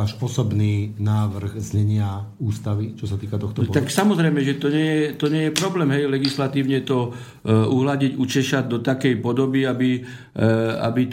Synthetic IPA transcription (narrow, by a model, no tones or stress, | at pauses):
aːʃɔsɔbniːnaːʋr̩ɣzɲɛɲɪauːst̪aʋit͡ʃɔsat̪iːkat̪ɔxt̪ɔɔt̪aksamɔzɾɛjmɛʒɛt̪ɔɲɪɛjɛt̪ɔɲɪɛjɛpɾɔblɛːmɦɛjlɛɡislat̪iːʊɲɛt̪ɔ | uɦlaɟiɟut͡ʃɛʃad̪ɔt̪akɛjpɔd̪ɔbiabi | a̰bi